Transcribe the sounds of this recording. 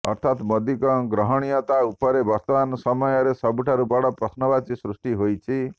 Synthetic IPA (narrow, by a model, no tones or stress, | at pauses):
ɔ̰ɾt̪ʰat̪mɔd̪ikɔŋɡɾɔɦɔɽ̃ijɔt̪aupɔɾebʱɔt̪ɔbanɔsɔmɔjɔɾesɔbuʈʰaɾubɔɽɔpɾɔsnɔbat͡ʃisɾusʈiɦojt͡ʃʰi